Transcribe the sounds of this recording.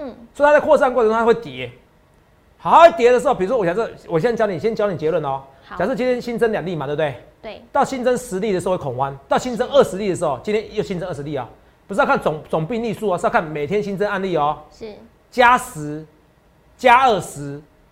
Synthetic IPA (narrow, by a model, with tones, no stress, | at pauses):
sɔ˧˥˨t̪ʰa˥˧kʰɔ˥˧sa˥˧nkɔ˥˩˨ə˧a˥wɪt̪jɛ˨˦ | ht̪ʰa˥we˥˩ɪt̪jɛ˧˦də˧ʂɻ̩˧˥o˩pi˨˧u˥wɔ˥wɕa˨˦ʂɨ˥˩wɔ˨˩ɕɛ˦˥t͡ɕjɑ˥˦ni˨˩ɕjɛ˥nt͡ɕɑ˥ʊ˨i˨t͡ɕjɛ˧˦lwə˥˩nɔ˨˦ | ɕʂ̩˥˩t͡ɕi˦nt̪ʰjɛ˥nɕi˦˥nt͡sə˥nlja˨˩ŋli˥˩ma˨˥˧ɪ˥˩ | t̪ɑ˥˨˩ʊɕi˦˥nt͡sə˦nʂɹ̩˧˦li˥˩ə˩˧˥wkʰo˨˩ŋwa˦nt̪ɑ˥˨˩ʊɕi˦˥nt͡sə˦ŋə˥˩ʂɻ̩˧˦li˥˩d̪ə˩ʂ̬ɻ̩˧˥xo˧ʊt͡ɕi˦nt̪jɛ˥njo˥˩ɕi˦nt͡sə˧˦ŋə˥˩ʂɻ̩˧li˥˨˩ɔ̰˨˦ | pu˧˩˥ka˥˨t͡sŋt͡sʊ˨˩ŋpi˥˧ŋni˥˧su˥˩ɔ˨su˥˧kʰa˥˩nme˨˩ɪt̪ʰjɛ˦nɕi˦˥nt͡sə˦na˥˧nli˥˨ɔ˨˩˥ | t͡ɕja˥s̩˧˦ | t͡ɕja˦˥ə˥˩sɹ̩˧˦